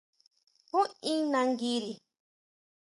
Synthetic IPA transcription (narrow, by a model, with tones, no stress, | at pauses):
hũ˦ĩ˦nã˧ŋɡi˦ɾi˨